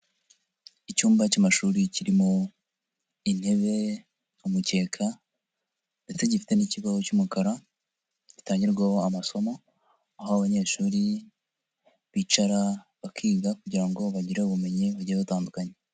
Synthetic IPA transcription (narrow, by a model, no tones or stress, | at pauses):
icuːmbacamaʃuːɾiciɾimo̞ | in̥he̞βe̞ | umuce̞ːkʰa | nde̞se̞ɟifi̥te̞niciβazocumukaɾa | ɟɟi̥taːɲɟiɾɡwahoamaso̞mo̞ | ahaaβaɲe̞ːʃuːɾi | βit͡ʃaɾaβakʰiːɡakuɟiɾaŋɡo̞βaɟiɾeuβume̞ɲiβaɟiɾβutaːndukaɲe